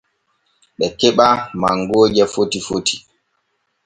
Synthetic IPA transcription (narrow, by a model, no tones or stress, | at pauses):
ɓɛkɛɓamaŋɡoːd͡ʒɛfotifotʰi̥